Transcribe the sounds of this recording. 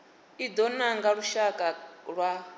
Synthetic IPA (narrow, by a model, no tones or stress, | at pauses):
id̪ɔnaŋɡaɺuʃakʼaɺwa